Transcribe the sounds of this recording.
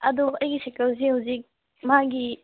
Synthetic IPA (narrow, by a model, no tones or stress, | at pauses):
ɐd̪uɐjɡisekɐls̬ihawzik̚ | mɐɦaɡi